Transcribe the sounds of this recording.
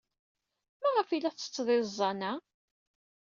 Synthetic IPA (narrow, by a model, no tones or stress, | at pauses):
mæʁəfilæθt͡sːə̥t͡sːðˤɪzˤːɑnæ